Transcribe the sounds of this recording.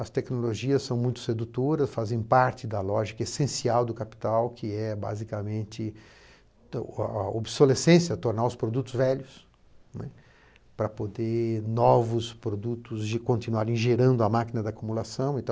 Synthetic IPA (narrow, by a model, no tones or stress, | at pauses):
ɐst̪ɛknoloʒiɐsːɐ̃w̃mũj̃t̪ʊ̥sed̪ut̪oɾɐsfazẽj̃paɾt͡ʃɪd̪ɐlɔʒikɐesẽsiawd̪ʊkapi̥t̪awkʰɪɛba̰zikɐmẽnt̪ɪ | obsolesẽsjɐt̪oɾnaʊspɾod̪ut̪ʊzvɛʎʊs | nɛ̰ | pɾɐpod̪enɔvʊspɾod̪ut̪ʊzʒkõnt̪inuaɾẽʒeɾɐ̃nd̪ʊɐmakinɐd̪ɪakumulasɐ̃w̃ẽnt̪ɐ̃